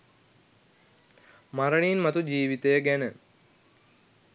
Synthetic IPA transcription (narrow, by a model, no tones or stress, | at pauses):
maɾəɳinmat̪ud͡ʒiːʋit̪ejəɡænə